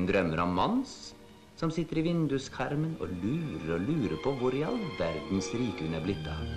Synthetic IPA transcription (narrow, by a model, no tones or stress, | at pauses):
nd̪ɾœmːəɾɔmmɑns | sɔmsɪt̪ːəɾɪʋɪnd̪ʉskʰɑɾmənɔ̰lʉːɾəɾɔlʉːɾəpʰɔʋʊɾjɑ̰lʋæɾd̪n̩sɾiːkəʉnæblɪt̪ːɑ